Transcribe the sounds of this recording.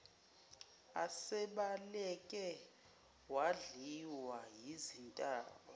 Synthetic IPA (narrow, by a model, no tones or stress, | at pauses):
asɛɓalɛkʼɛ | waɮiwajizintʼaːɓɔ